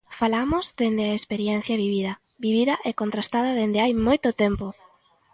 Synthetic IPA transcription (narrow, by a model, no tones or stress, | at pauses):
falamozd̪end̪ɪaespeɾjɛn̟θjɐβiβiðɐ | biβ̞iðɐʔɛkont̪ɾast̪að̞ɐðend̪ɪajmojt̪ʊt̪ɛmpo